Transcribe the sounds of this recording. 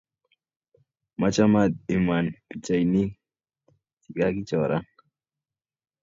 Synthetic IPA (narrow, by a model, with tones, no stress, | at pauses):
ma˦t͡ʃa˦mat̪̚i˨ma˨npi˨t͡ʃa˨jni˦ | ti˨ɡa˦ki˦t͡ʃɔ˨ɾʔa˦ŋ